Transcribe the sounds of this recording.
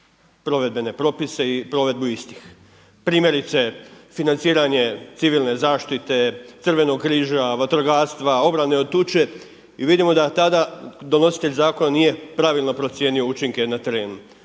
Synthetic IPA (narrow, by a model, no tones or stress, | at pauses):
pɾo̞ʋe̞d̪̚be̞ne̞pɾo̞pise̞ipɾo̞ʋe̞d̪buist̪i̥x | pɾiːmjeɾit̪se̞finant̪siːɾaɲe̞t̪siʋilˠne̞zaːʃt̪it̪e̞t̪sr̩ʋe̞no̞ɡkɾiːʒaʋat̪ɾoɡaːɾst̪ʋao̞bɾane̞ot̪ut͡ʃe̞ | iʋid̪imo̞d̪at̪ad̪ad̪o̞no̞si̥t̪e̞ʎʲzaːko̞nanije̞pɾaʋilˠno̞pɾo̞t̪sje̞nio̞ut͡ʃiŋke̞nat̪e̞ɾe̞ːnu